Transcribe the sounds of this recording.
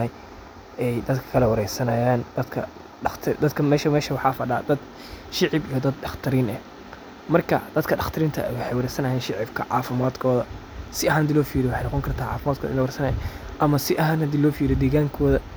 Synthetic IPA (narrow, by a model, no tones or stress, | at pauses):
ɐj | ʔɛjd̪ɐd̪kʰɐ̥kʰɐlɛwɐɾɛjsɐnɐjaːnd̪̥ɐd̪kʰɐ̰ | ɖɐt̪ʰɐd̪ɐd̪kʰɐmɛːʃɐmɛːʃɐwɑħɑːfɐɖaːd̪ɐd̪ | ʃɪʕɪbijɔd̪ɐd̪ɖɑχt̪ʰɐɾiːnɛ | mɐrkʰɐ̰d̪̥ɐd̪kʰɐɖɑχt̪ʰɐɾiːnt̪ʰɐ̰ɛ̰wɑħɛjwɑɾɛjsɐnɐːjɛːnʃɪʕɪb̚kʰɐʕɑːfɪmaːd̪kʰɔːðɐsɪɐɦaːnhɐd̪ilɔːfiːɾɪwʊħejnɑqɔŋkʰɐrt̪ʰaːʕɑ̰ːfɪmaːd̪kʰɔ̰ɪ̰lwɾɛjsɐnɐjaʔɐmɐsɪʔɐɦaːnhɐd̪iːlɔːfiːɾɪd̪ɛːɣaːŋkʰɔːðɐ